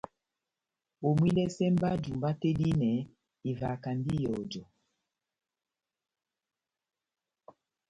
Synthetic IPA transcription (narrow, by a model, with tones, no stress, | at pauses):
o˨mwi˦lɛ˦sɛ˦mba˦d͡ʒu˨mba˦tɛ˦di˦nɛ˨ | i˨va˨ka˨mbi˦jɔ˨d͡ʒɔ˨